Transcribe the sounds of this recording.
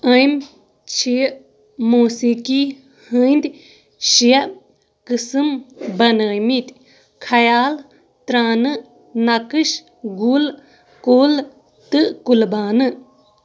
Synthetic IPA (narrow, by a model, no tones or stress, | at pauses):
əjm | t͡ʃʰiʔ | moːsiki | hɨjnd̪ʲ | ʃijɐʔ | kɨsɨmbɐnəjmit̪ʲ | kʰɐjaːl | t̪ɾaːnɨ | nɐkɨʃ | ɡul | koːl | t̪ɨʔkulbaːnɨ